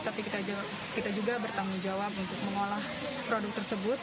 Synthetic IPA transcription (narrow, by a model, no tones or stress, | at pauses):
t̪apikit̪a | kit̪ad͡ʒuɡabərt̪aŋuŋd͡ʒawap̚unt̪ʊk̚məŋolah | pɾodʊk̚t̪ərsəbʊt̪̚